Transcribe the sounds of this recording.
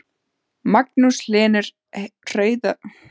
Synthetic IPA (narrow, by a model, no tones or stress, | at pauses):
maknuslɛːnɛɾ̥ | r̥œːɥða